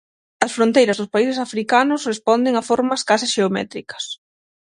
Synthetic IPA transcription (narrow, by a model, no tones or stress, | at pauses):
ɐsfɾõnt̪ejɾɐzðʊspaisesafɾikanʊsrespɔnd̪eŋɐfoɾmɐskasɪʃeomɛ̰t̪ɾikɐ̥s